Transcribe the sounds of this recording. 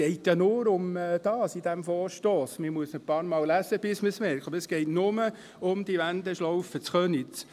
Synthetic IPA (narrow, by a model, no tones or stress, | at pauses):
ɛɪtjɑnʊːɾʊmd̥ɑːsidæmfɔːɾʃtoːsməmuəsnəpɑːɾmɑːlæsəb̥ɪsməsmɛɾkχɔbəɾəsɡ̥ɛɪtnʊmə | ʊmd̥iʋænd̪əʃlɔʊfət͡sχœnɪt͡s